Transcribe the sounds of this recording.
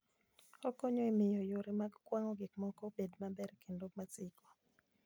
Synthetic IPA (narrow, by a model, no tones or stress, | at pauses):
ɔkɔɲɔemɪjɔjoɾɛmaɡkwaŋɔɡɪkmɔkɔbedmabɛɾkendomat͡sɪkɔ̥